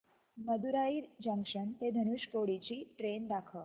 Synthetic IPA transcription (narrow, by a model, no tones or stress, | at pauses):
məd̪uɾaid͡ʑə̃ŋkʂənt̪ed̪ʱənuʃkoɽit͡ɕiʈɾend̪akʰəɭ